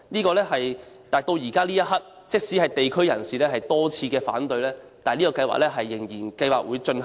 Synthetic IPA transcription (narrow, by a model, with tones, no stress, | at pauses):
niː˥kɔː˧lɛː˥ɦɐ˨j | t̪aː˨˩jt̪o˧wjiː˨˩kaː˥liː˥jɐ˥t̚ɦɐ˥t̚ | t͡sɪ˥k̚siː˨˥ɦɐ˨jt̪e˨jkʰɵ˥ɥjɐ˨˩nsiː˨lɛː˥ɦɐ˨jt̪ɔː˥t͡sʰiː˧kɛː˧fa̰ː˨˥nt̪ɵ˧ɥlɛː˥ | t̪aː˨nliː˥kɔː˧kɐ˧jwa̰˨˥lɛː˥ɦɐ˨jːɪ˨˩ŋjiː˨˩nkɐ˧jwaː˨k̚wuː˨˧jt͡ʃɵ˧nh